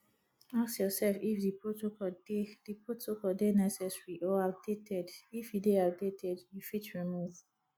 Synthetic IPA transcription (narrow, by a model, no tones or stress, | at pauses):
aksjɔsɛlfifdipɹotokɔdedipɹotokɔldenɛsɛsɹiʔɔap̚detʰɛdifideap̚detɛdjufitɹimuv